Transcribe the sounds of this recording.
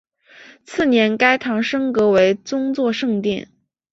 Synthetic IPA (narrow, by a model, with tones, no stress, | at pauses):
t͡sʰɹ̩˥˩njɛ˧˥nka˥ɪt̪ʰɑ˧˥ŋʂɤ˥ŋkɤ˧˥we˧˥ɪt͡sʊ˥ŋt͡swɔ˥˧ʂɤ˥˧ŋt̪jɛ̰˥˩n